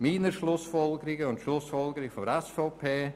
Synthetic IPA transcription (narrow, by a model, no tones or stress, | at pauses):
miːnəɾʃlʊsfɔlɡəɾɪɡəʊntʃlʊsfɔlˠɡəɾɪɡfɔdəɾɛsfoʊpʰeː